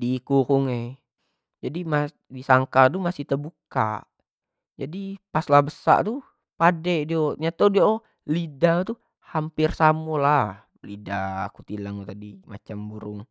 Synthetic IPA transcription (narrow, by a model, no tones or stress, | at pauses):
dikukuŋe | d͡ʒadima | disaŋkat̪umasiht̪əbuka̰ | d͡ʒadipaslabəsa̰ʔt̪u | padɛdioɲat̪odiao | lidat̪u | hampirsamola | lida̰ːkut̪ilaŋut̪adima̰t͡ʃambuɾʊŋ